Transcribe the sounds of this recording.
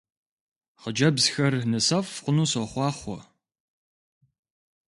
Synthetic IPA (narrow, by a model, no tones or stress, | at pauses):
χəd͡ʒɐbzxɐrnɨsɐfqʷʊnuːsɐχʷɑːχʷɔ̰